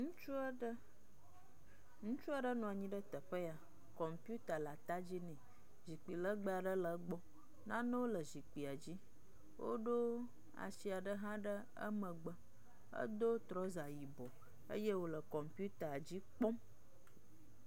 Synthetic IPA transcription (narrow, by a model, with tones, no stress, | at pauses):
ŋũ˦t͡ʃu˦ə˦ɖə˦ | ŋũ˦t͡ʃu˦a˦ɖə˦nɔ̃˨a˨ɲĩ˦ɖə˦t̪ə˨ɸə˦ja˨ | kɔ˨mpu˦t̪a˨la˨t̪a˦d͡ʑi˦nɛ̃˨ | zi˨k͡pi˨lə˦ɡ͡bə˦a˨ɖə˦lə˨ɡ͡bɔ˦ | nã˦nə̃˦wo˦lə˨zi˨k͡pi˨a˨d͡ʑi˦ | wo̰˦ɖo˦ | a̰˨si˨a˨ɖə˦ɦã˦ɖə˦ | ə̰˦mə̃˨ɡ͡bə˦ | ə̰˦d̪o˦t̪ɾɔ˦za˨ji˨bɔ˨ | ə̰˦je˦wo˦lə˨kɔ˨mpju˦t̪a˨d͡ʑi˦k͡pɔ˦m